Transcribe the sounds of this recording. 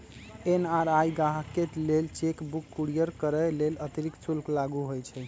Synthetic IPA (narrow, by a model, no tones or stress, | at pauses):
enaɾajɡaɦkeʈlelt͡ʃekbukːuɽijəɾkəɾɛlelət̪ɾiksulklaɡuɦojt͡ʃʰɛ